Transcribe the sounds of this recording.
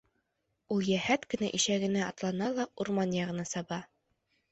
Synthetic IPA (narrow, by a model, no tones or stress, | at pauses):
ulˠjæhæt̪kɘ̆næʔiʃæɡɘ̆næɑt̪lˠɑnɑlˠɑuɾmɑnjɑʁɤ̆nɑsɑbɑ